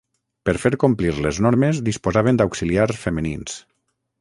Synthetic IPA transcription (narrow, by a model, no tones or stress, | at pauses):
pəɾfeɾkompliɾleznɔɾmezd̪ispozaβ̞ənd̪awksiliaɾsfəmənins